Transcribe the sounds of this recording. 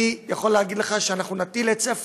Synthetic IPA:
ijaχo̞lːeaɡid̪leχaʃeanaχnunat̪ilet͡seaf

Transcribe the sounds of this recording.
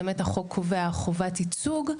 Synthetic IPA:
metaχokʰoveaχovatit͡suɡ

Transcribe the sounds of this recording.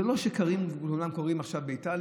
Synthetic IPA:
elo̞ʃekaʁimulunamko̞ʁimaχʃavbeital

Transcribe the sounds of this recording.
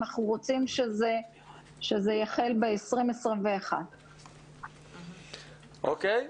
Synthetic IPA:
aχuʁot͡simʃeze | ʃezejaχelbeesʁimesʁimveːχa̰d | ʔokej

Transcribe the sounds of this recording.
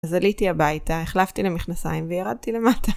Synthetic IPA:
zalitiabajtaeχlaft̪ilemiχnasa̰jimvejaʁad̚tile̞matʰa

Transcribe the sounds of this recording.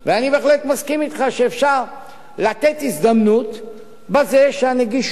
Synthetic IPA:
veanibe̞ːxlet̪maskimit̪χaʃeːfʃaʁ | lat̪e̞t̪izd̪amnut̪ | bazeʃeaneɡiʃ

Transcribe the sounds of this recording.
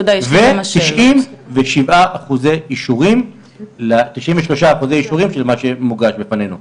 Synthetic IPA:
d̪avemt̪iʃimveʃivaʔaχuzeiʃuʁim | lat̪iʃʔimveʃlo̞ʃaːχuzeiʃuʁimʃelmaʃe̞muɡaʃbepanenu

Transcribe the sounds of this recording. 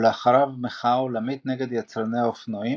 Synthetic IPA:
leaχaɾavmeχaolamit̪neɡe̞d̪jat͡sɾaneaofnoi

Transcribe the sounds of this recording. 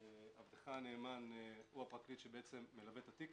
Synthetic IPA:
avdeχaneːmanuapʁaklit̪ʃebeʔet͡se̞mːelabet̪at̪ik

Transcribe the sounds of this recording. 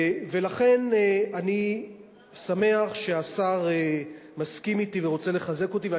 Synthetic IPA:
ve̞laχe̞nani | same̞aχʃe̞asaʁe | maskimit̪iveʁo̞t͡se̞le̞χaze̞ko̞t̪ive

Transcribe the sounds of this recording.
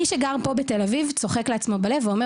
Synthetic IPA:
iʃeɡaʁpo̞bet̪e̞lavivt͡so̞χekleat͡smo̞bale̞veo̞me

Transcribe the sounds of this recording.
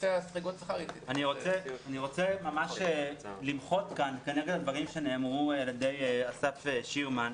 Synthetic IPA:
easʁeɡotsaχaʁimaniʁo̞t͡seaniʁo̞t͡semamaʃelimχo̞t̪kankeneɡedad̪vaʁimʃeneːmʁueladejasafeʃiuman

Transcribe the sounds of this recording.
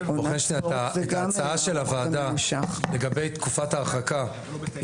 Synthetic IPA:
booχenʃniataant͡saaʃelavaːdaʃaleɡabe̞jt̪kufataːχaka

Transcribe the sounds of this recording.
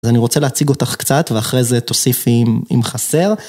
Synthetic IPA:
azaniʁo̞t͡seleat͡siɡo̞taχkt͡sat̪veaχʁejzet̪o̞sifimḭmχase̞ʁ

